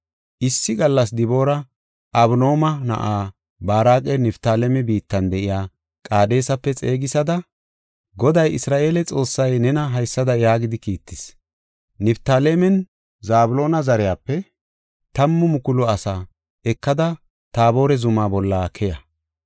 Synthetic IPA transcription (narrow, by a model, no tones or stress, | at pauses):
ʔɪsːɪɡɐlːɐs̬d̪ɪbo̞ːɾɐ | ʔɐbno̞ːmɐnɐ̰ʔaː | baːɾaːkʼɛnɪft̪aːlɛmɛbiːt̪ːɐnd̪ɛʔɪjaː | kʼaːd̪e̞ːsɐpːɛt͡sʼeːɡɪsɐd̪ɐ | ɡɔd̪ɐjʔɪsɾaːʔe̞ːlɛt͡sʼo̞ːsːɐjnɛnɐɦɐjsːɐd̪ɐjaːɡɪd̪ɪkiːt̪ːɪs | nɪpt̪aːlemɛn | zaːbʊlo̞ːnɐzɐɾɛjaːpːɛ | t̪ɐmːʊmʊkʊlʊɐsaː | ɛkːɐd̪ɐ | t̪aːbo̞ːɾɛzʊmaːbɔlːaːkʰɛjɐ